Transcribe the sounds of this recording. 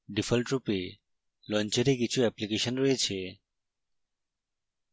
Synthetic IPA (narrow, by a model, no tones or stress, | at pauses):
ɖifʰəlʈɾupe | lɔ̃nt͡ʃeɾekit͡ʃʰuɛplikeʃənɾoet͡ʃʰe